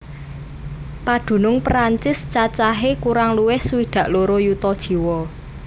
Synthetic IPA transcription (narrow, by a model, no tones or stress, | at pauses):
pad̪̥ṳnʊŋpɾaɲt͡ʃɪst͡ʃat͡ʃaɦekuɾaŋluwɪhsuwid̪̥ä̤ʔloɾojut̪ɔd̥ʒ̥i̤wɔ